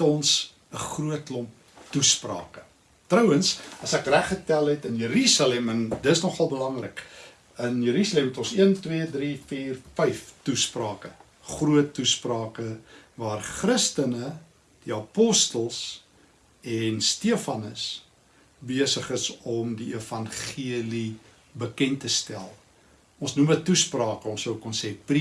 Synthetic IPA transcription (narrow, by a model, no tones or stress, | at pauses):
tɔns | əχruətlɔmp̚ | tusprɑ̰ːkə̥ | trəwənsɐsækræχətælˠɦɛtənjəɾysɑlɛməndəsnɔχɐlˠbəlɐŋrə̰k | ənjəɾysɑlɛmutɔnsiəntwidrifiːrfəjftusprɑːkə | χruətːusprɑːkəvɑːrχrəstənə | d̥iɐpɔstəlˠs | ɛnstiəfɐnəs | biəsəχəsɔmdiifɐnχiəli | bəkɛntəstæ̰lˠ | ɔ̃nsnumətːusprɑːkəɔ̃nsəwkɔnsɛːpri